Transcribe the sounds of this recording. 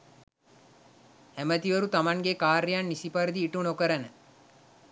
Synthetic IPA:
æmət̪iʋəɾut̪amaŋɡekaːɾijanːisipaɾəd̪iːʈunokəɾənə

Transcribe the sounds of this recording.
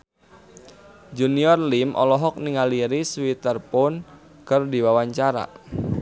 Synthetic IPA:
d͡ʒuniɔrlimʔɔ̰lɔɦɔk̚niŋaliɾiswit̪ərpɔn | kərdiwawaɲt͡ʃaɾa̰

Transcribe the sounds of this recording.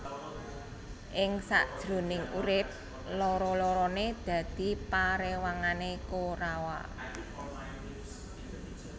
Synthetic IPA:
ʔɪŋsa̰ʔd̥ʒ̥ɾo̤nɪŋṵɾɪp̚ | lɔɾɔlɔɾɔned̪̥ä̤d̪̥i̤paɾewaŋanekoɾawa̰

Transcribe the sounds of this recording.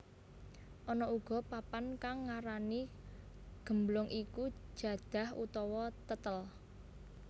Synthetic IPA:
ʔɔnɔuɡ̥ɔ̤papankaŋːaɾani | ɡ̥ə̤mblʊŋʔiku̥ʒ̥a̤d̪̥a̤hṵt̪ɔwɔt̪ət̪əl

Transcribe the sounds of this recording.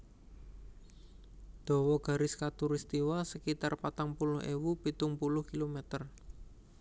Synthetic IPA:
d̪̥ɔ̤wɔɡ̥ä̤ɾɪskat̪uɾɪst̪iwasəkit̪arpat̪aŋpulʊhḛwupit̪ʊŋpulʊhkilomɛt̪ər

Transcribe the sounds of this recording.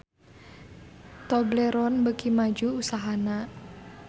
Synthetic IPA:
t̪ɔbleɾɔnbəkimad͡ʒuusaɦana

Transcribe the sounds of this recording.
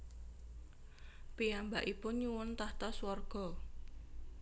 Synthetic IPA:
piambaʔipʊnɲuwʊnt̪aht̪ɔswarɡ̥ɔ̤

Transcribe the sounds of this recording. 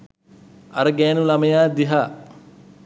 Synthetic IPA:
a̰ɾəɡæːnulaməjaːd̪iɦaː

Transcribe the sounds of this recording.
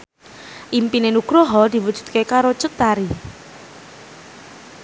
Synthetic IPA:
ʔimpinenuɡ̥ɾoɦɔd̪̥i̤wud̥ʒ̥ṳ̥d̪̚kekaɾod̥ʒ̥ʊt̪ːaɾi

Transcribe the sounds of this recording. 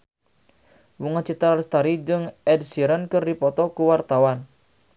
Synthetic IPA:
wuŋat͡ʃit̪aɾalst̪aɾid͡ʒɨŋɛd̚siɾənkɨrdipɔt̪ɔkuwart̪awan

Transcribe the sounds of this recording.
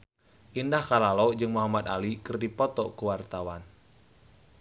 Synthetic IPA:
ʔindahkalalod͡ʒɨŋmuɦamat̪alikɨrdipɔt̪ɔkuwart̪awan

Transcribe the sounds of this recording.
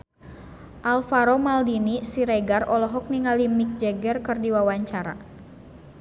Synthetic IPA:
ʔalfaɾomaldinisiɾeɡarɔlɔɦɔk̚niŋalimik̚d͡ʒɛɡɛrkərdiwawaɲt͡ʃaɾa̰

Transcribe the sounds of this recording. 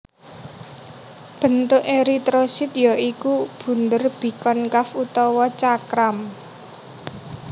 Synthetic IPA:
b̥ə̤nt̪ʊʔeɾit̪ɾosit̪jɔʔikub̥ṳnd̪ərb̥i̤kɔnkafut̪ɔwɔt͡ʃakɾam

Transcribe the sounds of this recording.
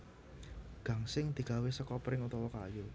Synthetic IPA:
ɡ̥ä̤ŋsɪŋd̪̥i̤ɡ̥awesəkɔpɾɪŋut̪ɔwɔka̰ju

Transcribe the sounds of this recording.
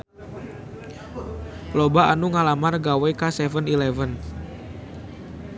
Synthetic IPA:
lobaanuŋalamarɡawekasɛvənilɛvən

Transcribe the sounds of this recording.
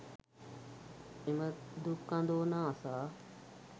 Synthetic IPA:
ɪməd̪ukːãnd̪oːnãːsaː

